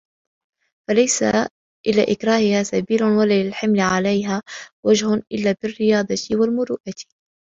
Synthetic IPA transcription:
falajsa̰ | ʔɪla̰ːʔɪkɾˤaːhɪhaːsabiːlʊnwalaːlɪlħɪmlɪʕalajɦaːwad͡ʒhʊʔɪlːaːbɪrːɪjɑːd̪ˤɑɪwalmʊɾuːʔat̪

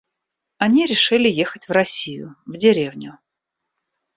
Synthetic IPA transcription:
ɐnʲiɾʲɪʂɨlʲɪjexətʲvrɐsʲijʊ̰vdʲɪɾʲe̞vnʲʊ

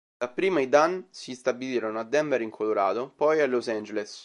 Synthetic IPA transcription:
dapːɾiːmaid̪ansist̪abiliːɾonoad̪ːɛmbeɾiŋkʰoloɾa̰ːt̪opɔjalːosand͡ʒeles

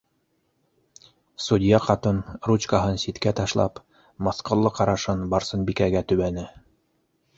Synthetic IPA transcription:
sud̪ʲjɑqɑt̪ɤnɾut͡ɕkaɦɤnsit̪kæt̪ɑʃlˠɑ̰p | mɑsqŏlˠːɤqɑɾɑʃɤnbɑɾsɤnbikæɡæt̪ɵ̆βænɘ

